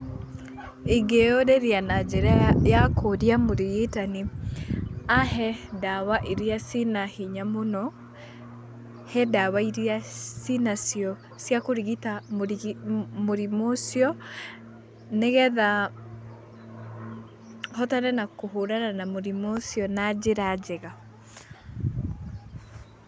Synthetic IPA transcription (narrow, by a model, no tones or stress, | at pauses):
iɡeoɾeɾianad͡ʒɛɾaajakʰodiamoɾiɣetani | aɦɛdawaʔiɾiasinahiɲamonɔ | hɛdawaiɾiasinasiɔ | sjakoɾiɣitamoɾmoɾimosjɔ | neɣɛða | hɔtanɛnakoɦoɾananamoɾimosijɔnad͡ʑeɾad͡ʒɛɣa